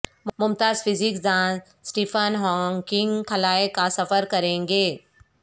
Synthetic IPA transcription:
mʊmt̪aːzpʰɪzɪkd͡ʒãːnz | sʈiːpʰənɦɔːŋkɪ̃ŋɡkʰɐlaːekasɐfəɾkɐɾẽːŋɡeː

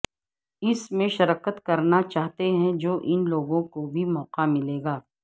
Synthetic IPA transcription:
ɪsmẽʃɐɾaːkət̪kɐɾnat͡ʃaːɦt̪eɦɛ̃d͡ʒoːʔɪnloːɡõkobʱimɔːqamɪleːɡaː

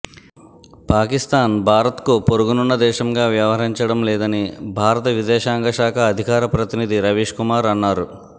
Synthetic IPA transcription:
paːkist̪aːnbʱaːɾɐt̪kupoɾuɡununːɐd̪ɛːʃɐmɡaːʋjɐʋɦɐɦiɲt͡ʃɐɽɐmlɛːd̪ɐnibʱaːɾɐt̪ɐʋid͡ʒ̪ɛːʃaːŋɡɐʃaːkʰɐːd̪ʱikaːɾɐpɾɐt̪inid̪iɾɐʋiːʂkumaːɾɐnːaːɾu

